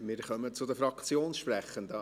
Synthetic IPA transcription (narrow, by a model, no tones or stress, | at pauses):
mɪːɾχœmət͡sʊd̪əfɾɑkt͡sjoːnsʃpɾɛχənd̪ə